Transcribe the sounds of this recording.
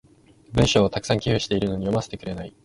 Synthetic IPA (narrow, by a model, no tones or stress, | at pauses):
bɯ̟̃ɰ̃ɕo̞ːt̪akɯ̥sãŋkʲihɯ̟ɕi̥t̪e̞iɾɯ̟no̞ɲ̟ijo̞mase̞t̪e̞kɯ̟ɾe̞nai